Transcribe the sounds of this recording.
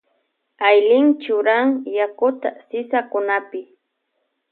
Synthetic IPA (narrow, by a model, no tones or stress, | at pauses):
ajlɪŋt͡ʃʊɾaŋjakʊt̪a̰sɪsakʊnapɪ